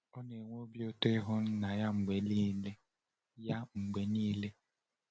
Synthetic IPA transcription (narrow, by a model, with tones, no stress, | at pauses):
ɔ˦ne˨ŋʷo˦bjo˦to˦ɪ˦ɦʊ˦n̩˦na˨ja˦ŋ͡m̩˨ɡ͡be˨li˦le˦ | ja˦ŋ͡m̩˨ɡ͡be˨niː˦le˦